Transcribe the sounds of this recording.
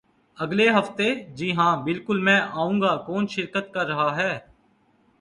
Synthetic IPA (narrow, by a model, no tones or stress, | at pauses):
əɡleːɦəft̪eːd͡ʒiɦãːbɪlkʊlmɛ̃ːʔaːũːɡaːkoːnʃɪɾkət̪̚kəɾːəɦaːɦɛː